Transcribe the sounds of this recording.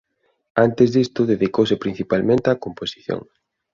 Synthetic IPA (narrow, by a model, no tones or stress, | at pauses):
ant̪ezðist̪ʊðeðikowsɪpɾĩn̟θipalmẽnt̪eakomposi̥θjo̰ŋ